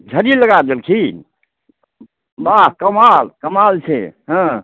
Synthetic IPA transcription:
d͡ʒʱəɾiləɡad̪elkʰi | baɦkəmalkəmalt͡ʃʰɛɦə̃

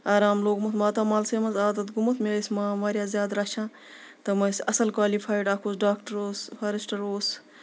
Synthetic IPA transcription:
aːɾaːmloːɡmɐt̪maːt̪ɐmaːlseːmɐzaːd̪ɐt̪ɡumɐt̪ʰmesʲmãːmaːɾjaːzjaːd̪ɾɐʃãː | t̪ɐmɐsɐsɐlkwaːlipʰaːjɖaːkʰoːsɖaːkʈɐɾoːspʰɐɾisʈɐɾoːs

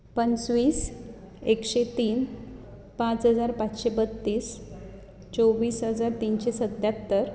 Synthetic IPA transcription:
pənt͡sʋiːs | ekɕet̪iːn | pãt͡sɦəd͡zaɾpat͡sɕebət̪ːiːs | t͡soʋiːsɦəd͡zaɾt̪inɕesəd̪jat̪ːəɾ

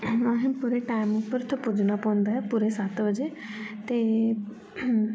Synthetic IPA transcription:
ãːɦĩːpuːɾeʈaːɪmʊpːəɾt̪ʰõpʊd͡ʒnapɔ̃ːnd̪aːɦɛpuɾesat̪ʰʋəd͡ʒeːt̪eː

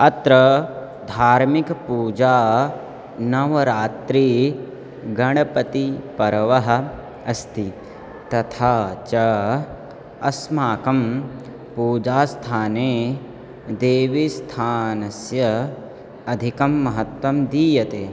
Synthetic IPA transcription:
ɐt̪ɾɐ | d̪ʱaːɾmikpuːd͡ʒaː | nɐʋɐɾaːt̪ɾiː | ɡɐɳ̃ɐpɐt̪ipɐɾɐʋɐɦɐ̆ | ɐst̪ʰi | t̪ɐt̪ʰaːt͡ʃɐ | ɐsmaːkɐm | puːd͡ʒaːst̪ʰaːneː | d̪eːʋist̪ʰaːnɐsjɐ | ɐd̪ʱikɐmːɐɦɐt̪wʋɐmd̪iːjɐt̪eː

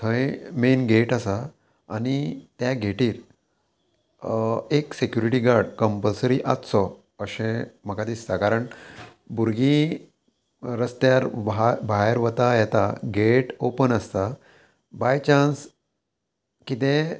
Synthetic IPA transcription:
t̪ʰəjmenɡeʈasa̰ː | nit̪jaɡʱeʈiːɾ | eksekjuɾiʈiːɡaɾɖkəmpəlsəɾiʔat̪sɔ | əɕẽm̤əkat̪iːsakaɾəɳ | buɾɡĩ | ɾəst̪jaɾbbʱaɦeɾʋət̪ajɛt̪aɡeʈopənəst̪a | bajt͡ɕans | kit̪ẽ

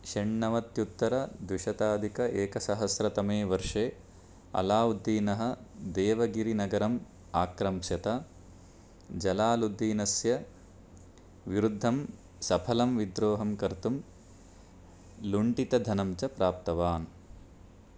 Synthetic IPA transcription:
ʃɐɳːɐʋɐt̪jut̪ːɐɾɐd̪wuʂɐt̪aːd̪ʱikɐʔeːkɐsɐɦɐsɾɐt̪ɐmeːʋɐɾʂeː | ɐ̰laːud̪ːiːnɐɦɐ̆d̪eːʋɐɡiɾinɐɡɐɾɐm | aːkɾɐmʃjɐt̪ɐ | d͡ʒɐlaːlud̪ːiːnɐsjɐ | ʋiɾud̪ʱːɐm | sɐpʰɐlɐmʋid̪ɾoːɦɐmkɐɾt̪um | luɳʈit̪ɐd̪ʱɐnɐmt͡ʃɐpɾaːp̚t̪ɐʋaːn

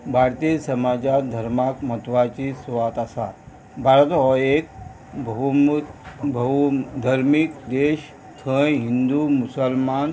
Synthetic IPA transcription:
bʱaɾt̪isɐmaːd͡ʑad̪ʱəɾmakmət̪ʋat͡ɕisʋat̪asa | bʱaɾət̪ɦɔek̚ | bmbʱəd̪ʱəɾmikd̪eʃ | kʰə̃jɦind̪umusəlman

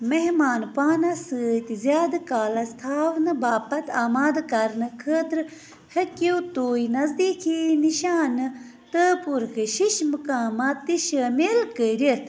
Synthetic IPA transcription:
meɦmaːnpaːnɐsɨːt̪izjaːd̪kaːlɐst̪ʰaːʋnɨbaːpɐt̪aːmaːd̪kɐɾnɨkʰəːt̪ɾɨ | hɐkewt̪oːjnɐzd̪iːkʰiniʃaːnɨ | t̪əpuɾkʰɨʃiʃmɨkaːmat̪ːiʃəːmelkəɾit̪ʰ

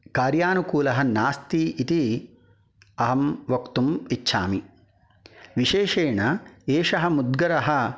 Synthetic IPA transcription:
kaːɾjaːnukuːlɐɦɐnaːst̪iit̪i | ɐɦɐmʋɐkt̪umitːʃʰa̰ːmi | ʋiʃeːʃeːɳɐeːʂɐɦɐmud̪ɡɐɾɐɦɐ̆

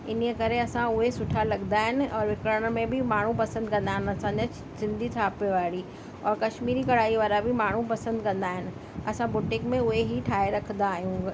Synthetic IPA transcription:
ɪn̤iəkɐɾeɐsãʊɦesʊʈʰalɐɡnd̪aːɦɪnɪ̆ɔːɾʋɪkɾəɽ̃mẽbʱɪmaːɳ̤ũpɐsə̃nd̪̚kɐ̃nd̪aːɦɪnɪɐsãɲd͡ʑa | sɪ̃nd̪ʱit̪ʰaːpeʋaːɽi | ɔːɾkɐʃmiːɾikɐɽ̤aːiʋaːɾabʱɪmaːɳ̤ũpɐsə̃nd̪kɐ̃nd̪aːɦɪnɪ̆ | ɐsãbʊʈɪ̃ŋkmẽʊɦeɦiʈʰaːeɾɐkʰnd̪aːɦijũː

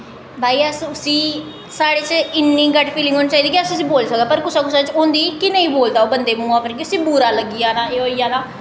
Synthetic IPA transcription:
bʱaːiːəsʊsĩː | saːɽeːt͡ʃɪnːiːɡəʈpʰiːlɪ̃ŋɡɦoːniːt͡ʃaːiːd̪iːkiəsʊsĩːboːlsək̚d̪aːpəɾkʊsaːkʊsaːt͡ʃõːnd̪iːkɪnəĩːboːld̪aːoːbənd̪eːmũːaːpəɾkiəsĩːbuːɾaːləɡiːjaːnãːeːɦoːiːãːnaː

